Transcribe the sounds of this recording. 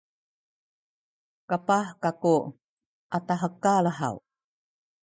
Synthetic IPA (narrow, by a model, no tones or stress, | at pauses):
kapahkaku | ʔataɦəkaləɦa̰w